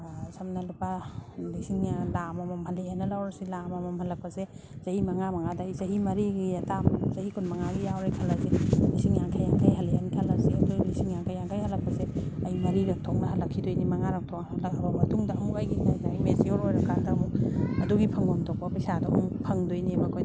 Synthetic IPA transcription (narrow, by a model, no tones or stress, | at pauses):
sɐmnɐlupalisiŋjalamɐmɐmhɐleajnɐlawɾɐsilamɐmɐmhɐlɐk̚pɐse | z̥ɐhimɐŋamɐŋadɐːjzɐɦimɐɾiɡiatʰamzɐhikʰunmɐŋaɡijawɾekʰɐlːɐselisiŋjaŋkʰajaŋkʰajɦɐleanikʰɐlːɐsiɐdulisiŋjaŋkʰajaŋkʰajhɐlɐk̚pɐseɐjmɐɾiɾɐk̚tʰɔk̚nɐɦɐlːɐkʰːidojnimɐŋaɾɐk̚tʰɔknhɐlɐkɐbɐmɐtuŋdɐhɐmkajɡinajdaimesioɾojɾɐkadɐmuk̚ɐduɡipʰɐŋɔmtʰɔk̚pɐpɐjsadɐɦumpʰɐŋdojnimɐkʰojd